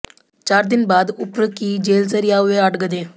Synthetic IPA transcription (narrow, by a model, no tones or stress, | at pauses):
t͡ʃaːɾd̪ɪnbaːd̪ʊpɾəkiːd͡ʒeːlsəɾijaːʊeəʈɡəd̪eː